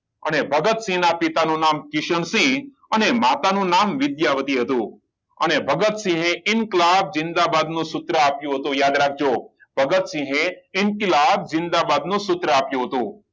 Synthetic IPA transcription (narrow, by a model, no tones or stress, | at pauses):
ənebʱəɡət̪sĩnapit̪anũnamkɪʃəɳsĩ | ənemat̪anũnamʋɪd̪jaʋət̪iɦət̪ũ | ə̰nebʱəɡət̪sĩɦẽɪnklab̚zɪ̃nd̪abad̪nũsʊt̪ɾəapjũɦət̪ũjad̪ɾak̚ʰd͡ʒo | bʱəɡət̪sĩɦẽɪnklab̚zɪ̃nd̪abad̪nũsʊt̪ɾəapjũɦət̪ũ